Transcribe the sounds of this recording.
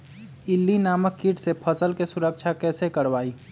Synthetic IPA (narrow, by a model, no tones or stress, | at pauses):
ɪlːinaːməkːiːʈsepʰəsəlkesʊɾəkʃʰakɛːsekəɾʋaːiː